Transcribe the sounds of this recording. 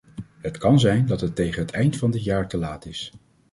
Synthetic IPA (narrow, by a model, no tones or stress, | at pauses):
ɦətkɑnzɛjndɑtɦətːejχənɦətɛjntfɑndɪtjaːɹtəlaːtɪs